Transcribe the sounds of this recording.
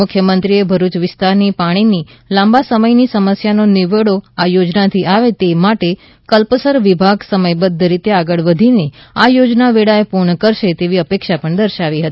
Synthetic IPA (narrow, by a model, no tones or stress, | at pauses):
ʊkʰjəmənt̪ɾiebʱəɾut͡ʃʋɪst̪aɾnipaɽ̃ini | lãmbasəməjnisəməsjanonɪʋəɽoajod͡ʒnat̪ʰiʔaʋet̪emaʈe | kəlpəsəɾʋɪbʱaɡsəməjbəd̪ʱːəɾit̪eaɡəɭʋəd̪ʱineajod͡ʒnaʋeɽaepuɾɳəkəɾʃet̪eʋiəpekʃapəɳd̪əɾʃaʋiɦət̪i